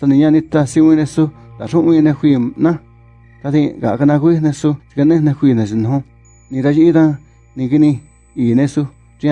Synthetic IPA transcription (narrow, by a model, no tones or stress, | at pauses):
t̪anĩɲãnĩt̪asiwĩnẽsut̪aʂũʔĩnẽxʷiːnã | t̪aðĩka̰ʔkanãkʷinẽsut͡ʃi̥kanẽnẽxʷiːnẽt͡ʃinũõ | nĩɾaʃiit̪ã | nĩkinĩ | iːnẽsu | ɾĩ